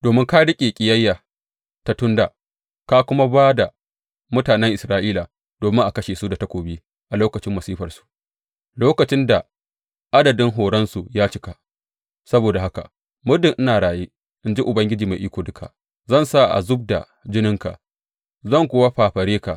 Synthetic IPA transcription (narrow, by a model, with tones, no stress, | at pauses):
d̥oː˨mɪ˦ŋka˦ɽɪ˦kʲʼeː˨kʲʼɪ˨jɐ˦jːa˨ | ta˦tʊ˦nda̰˨ | ka˦kʷʊ˦ma˦baː˦da˨ | mʊ˦taː˨nɛ˦ŋʔɪ˨sɾaː˦ʔiː˦la˨ | d̥oː˨mɪ˦ŋʔa˨kɐ˦ʃeː˨su˦da˨ta˦kʷoː˨biː˦ | ʔa˨loː˦kɐ˨t͡ʃɪ˦mːɐ˨siː˦ɸɐ˨rsu̥˨ʔ | loː˦kɐ˨t͡ʃɪ˦nda˨ | ʔa˦dɐ˨dɪ˦ŋɦoː˨ɽɐ˦nsu˨jaː˦t͡ʃɪ˦ka˦˨ | sɐ˦boː˨da˨ɦa˦ka̰˨ | mʊ˦rdɪ˨ʔɪ˦naː˨ɽaː˨jeː˦ | ʔɪ˦nd͡ʒi˦ʔʊ˨bɐ˦ŋɡʲɪ˦d͡ʒiː˨ma˨ʔiː˦kʷoː˨dʊ˦kʰa̰˨ | zɐ˦˨nsa˦ʔa̰˨zʊ˦b̚da̰˨ | d͡ʒɪ˦nɪ˦ŋka̰˨ʔ | zɐ˦˨ŋkʷoː˦wa˦ɸaː˨ɸɐ˨ɾeː˦ka˨